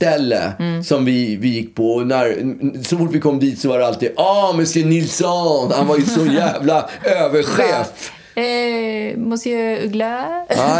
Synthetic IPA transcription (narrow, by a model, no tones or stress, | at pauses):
t̪ɛlːə̰sɔmvɪvɪjɪkːpʰɔnæɾsɔfʊʈːvɪkʰɔmːd̪iːt̪sɔvaɖɛalt̪iːd̪ʔɑːmɛsɛnɪlsɔhanvajəsɔjæːvlaøːvəɾɧeːt̪ | mɔst̪ɡla